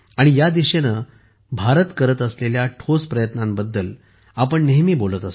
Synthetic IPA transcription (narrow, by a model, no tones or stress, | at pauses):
aɽ̃ijad̪iɕenə | bʱaɾət̪kəɾət̪əsleljaʈʰospɾəjət̪nãmbəd̪ːəl | apəɳneɦmiːbolət̪əs